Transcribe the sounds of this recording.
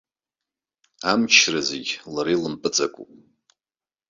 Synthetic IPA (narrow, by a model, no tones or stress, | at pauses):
amt͡ʃʰrazeɡʲlaɾilɨmpʼɨt͡sʼakʼṵpʼ